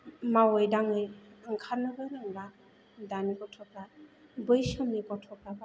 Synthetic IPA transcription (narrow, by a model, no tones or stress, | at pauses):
mawɯjdaŋɯjɯŋkʰaɾnɯbaɾɯŋba | danikɔtʰɔkabɯjsɔmnikɔtʰɔkaba